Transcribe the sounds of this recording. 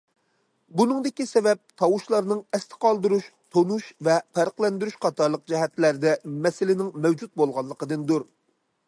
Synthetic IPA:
bunɨŋd̪ɪkʲisɛvɛp̚t̪ʰɑwuʃlˠɑɾnɨŋɛst̪ɪ̥qʰɑlˠd̪uɾuʃt̪ʰonuʃvɛpʰæɾqlɛnd̪yɾyʃqʰɑt̪ʰɑɾlˠəq̚d͡ʒɛɦɛt̪læɾd̪ɛmɛsɪlɪnɪŋmɛwd͡ʒut̪̚bolˠʁɑnˠːəqəd̪ɨnd̪uɾ

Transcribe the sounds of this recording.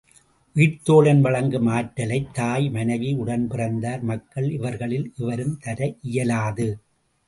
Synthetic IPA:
ʋiːʈt̪oːlɐnʋɐɭɐŋɡɯmaːʈːɐlɐɪt̪ːaːjmɐnɐʋiʊɽɐnpɪrɐnd̪aːɾmɐkːɐɭɪʋɐɾɣɐɭɪlʔɪʋɐɾɯmt̪ɐɾɐʔɪjɐlaːðɯ

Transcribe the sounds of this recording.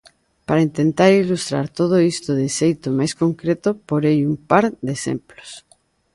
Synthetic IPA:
paɾaint̪ent̪aɾilust̪ɾaɾt̪oð̞oist̪oðɪʃejt̪omajskoŋkɾet̪ʊpoɾejumpaɾd̪esḛmplo̥s

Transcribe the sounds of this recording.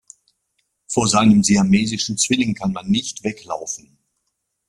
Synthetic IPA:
foːɐzaɪnəmziameːzɪʃn̩t͡sv̥ɪlɪŋkʰanmanːɪçtv̥ɛkla̰ʊfn̩

